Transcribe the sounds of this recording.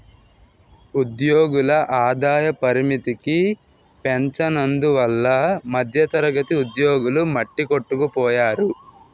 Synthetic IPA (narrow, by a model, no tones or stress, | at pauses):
ud̪joːɡulɐʔaːd̪aːjɐpɐɾimit̪iki | peɲt͡ʃɐnɐnd̪uʋɐlːɐmɐd̪ʱjɐt̪ɐɾɐɡɐt̪iud̪joːɡulumɐʈːikoʈːukupɔːjaːɾu